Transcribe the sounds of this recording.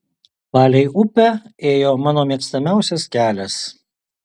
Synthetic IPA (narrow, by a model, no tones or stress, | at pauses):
pɑːlʲɛɪʊpʲɛeːjoːmɑːnoːmʲiɛkst̪ɐmʲæˑʊsʲɛskʲæːlʲɛs